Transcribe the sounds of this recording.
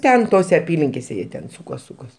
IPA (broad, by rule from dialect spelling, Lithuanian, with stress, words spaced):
ˈtʲɛn ˈtoːsʲɛ ɐˈpʲiːlʲɪŋʲkʲeːsʲɛ ˈjiɛ tʲɛn ˈsʊkoːs ˈsʊkoːs